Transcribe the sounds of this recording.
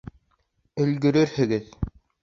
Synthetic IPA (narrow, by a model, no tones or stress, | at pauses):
ɵ̆lɡɵ̆ɾɘɾhɘ̆ɡɘð